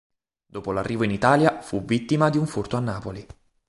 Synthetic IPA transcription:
d̪oːpolarːiːvoinit̪aːljafuvit̪ːimad̪iuɱfurt̪oanːaːpoli

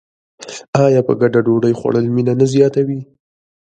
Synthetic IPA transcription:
ɑjɑpə̰ɡaɖaɖoɽəjxwa̰ɽəlminanazjɑt̪awi

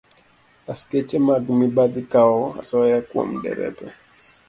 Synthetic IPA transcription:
asket͡ʃɛmaɡmibad̪ikaɔa̰sɔjakwo̰mdɛ̰ɾɛ̰pɛ

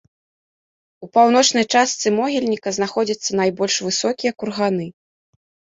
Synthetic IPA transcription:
upawn̪ɔt͡ʂnɐjt͡ʂast̪sɨmɔɣʲilʲnʲikɐznaxɔd͡zʲɐt̪sːɐnajbɔlʲʂvɨsɔkʲijɐkurɣanɨ

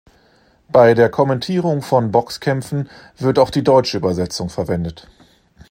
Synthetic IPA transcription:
b̥aɪdeːɐkʰɔmɛntʰiːʁ̞ʊŋfɔnbɔkskʰɛmfn̩ | v̥ɪɐtaʊxd̥iːdɔʏt͡ʃəyːbɐzɛt͡sʊŋfɛɐvɛndət

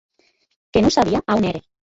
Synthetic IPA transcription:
kenusaβiaʔawneɾe

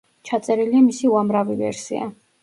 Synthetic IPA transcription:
t͡ʃʰat̪sʼɛɾiliamisiuamɾavivɛ̰ɾsḭa̰

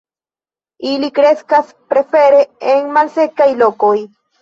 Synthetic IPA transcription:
ilikɾe̞skas | pɾe̞fe̞ɾeeŋmalse̞kajlokoj

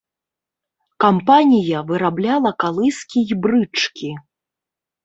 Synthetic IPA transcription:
kampanʲijɐvɨɾablʲalˠɐkalˠɨskʲijbɾɨt͡ʂkʲʰi

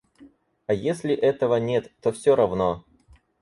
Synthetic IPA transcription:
ɐjesʲlʲɪʔɛt̪əvənʲe̞t̪ːofsʲoɾɐvno

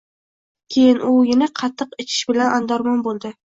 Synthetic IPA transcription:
kʲʰejɪnʔʊjɪnɪqʰɑt̪ʰːɨqɪt͡ʃʰɪ̥ʃbɪlanʔand̪ɒɾmɒnbolˠd̪ɪ

